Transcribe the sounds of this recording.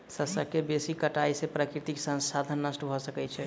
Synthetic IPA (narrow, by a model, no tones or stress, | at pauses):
səsəkebesikəʈaisepɾakɾit̪iksə̃nsad̪ʱənːəsʈbʱɔsəkɛt͡ʃʰɛ